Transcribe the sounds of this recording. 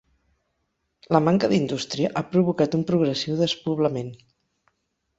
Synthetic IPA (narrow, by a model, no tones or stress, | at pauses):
ləmaŋkəðind̪ust̪ɾiəʔapɾuβ̞ukat̪umpɾuɣ̞ɾəsiwðəspuβ̞ləmen